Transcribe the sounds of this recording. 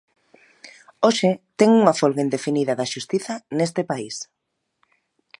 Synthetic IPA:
oʃɪt̪ɛŋuŋɐfolɣaend̪efiniðɐðɐʃust̪iθɐnest̪epais

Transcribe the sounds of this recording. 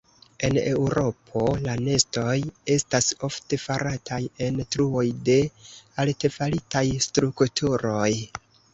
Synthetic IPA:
e̞ne̞wɾo̞pʰo̞lane̞sto̞je̞staso̞fte̞faɾatʰaje̞ntɾuo̞jde̞alte̞falitajstɾuktʰuɾo̞j

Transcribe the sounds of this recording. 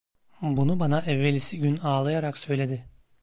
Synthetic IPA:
bunubanaʔɛvːelʲːisiɟynaːlˠajaɾaksø̞jlʲe̞d̪ɪ

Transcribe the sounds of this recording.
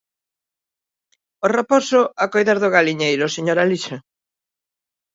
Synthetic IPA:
oreposʊakojðaɾðʊɣaliɲejɾʊseɲoɾaliʃɐ

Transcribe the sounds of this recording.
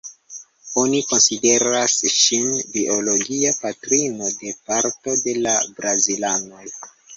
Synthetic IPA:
o̞niko̞nside̞ɾasʃinbiʔo̞lo̞ɡiapatɾino̞de̞paɾto̞de̞labɾazilano̞j

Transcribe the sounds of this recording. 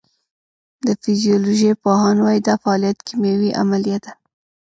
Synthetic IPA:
d̪əfizijoloʒepoɦɑnwɑjid̪ɑfaːlijat̪kʰimawiʔa̰malijat̪̚d̪a

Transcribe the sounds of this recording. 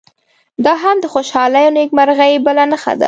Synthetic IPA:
d̪ɑɦamd̪əxoʃɑlajonekmaɾɣajbəlanəxa̰d̪a̰

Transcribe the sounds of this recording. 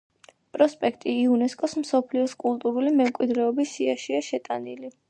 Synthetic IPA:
pʼɾɔspʼɛkʰt̪ʼiːunɛskʼɔsmsɔpʰliɔskʼulˠt̪ʼuɾulimɛmkʼwid̪ɾɛɔbisiaʃiaʃɛt̪ʼanili

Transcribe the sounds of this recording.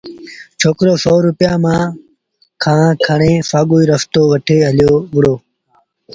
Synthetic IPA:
t͡ʃʰoːkɾoːsoːɾʊpjaːmãː | kʰãːkʰəɳẽːfaːɠuːiːɾəft̪oːʋəʈʰeːɦəljoːʋʊɽoː

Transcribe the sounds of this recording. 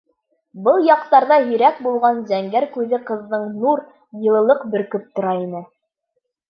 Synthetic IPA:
bɤlˠjɑqt̪ɑɾðɑɦɵ̆ɾæk̚bulˠʁɑnzæŋɡæɾkʉðɘqɤ̆ðːɤɴnuɾ | jɤ̆lˠɤ̆lˠɤqbɘ̆ɾkɵp̚t̪ŏɾɑinɘ

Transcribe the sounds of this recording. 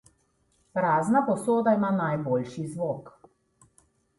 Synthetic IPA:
pɾaːznapɔsoːd̪aimanajboːlʃizʋoːk

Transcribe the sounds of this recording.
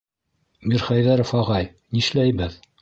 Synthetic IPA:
miɾχæjðæɾŏfɑʁɑj | niʃlæjbɘð

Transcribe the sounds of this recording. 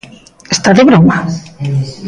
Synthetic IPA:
est̪aðeβɾoma

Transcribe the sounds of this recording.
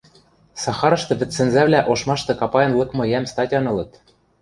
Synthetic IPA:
sɑxɑɾɤ̆ʃt̪ɤ̆βɘ̆t̪sɘ̆nzæβlæʔoʃmɑʃt̪ɤ̆kɑpɑjɤ̆nlˠɤ̆kmɤ̆jæmst̪ɑtʲɑnɤ̆lɤ̆t̪

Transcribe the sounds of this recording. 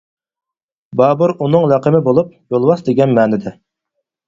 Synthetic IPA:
bɑːbuɾunɨŋlæqəmɪbolˠup̚jolˠwɑsd̪eɡʲɛnmɛːnɪd̪ɛ

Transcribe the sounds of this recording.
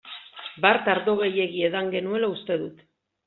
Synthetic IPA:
baɾt̪aɾðo̞ɣeje̞ɣieðaŋɡe̞nue̞laust̪e̞ðut̪

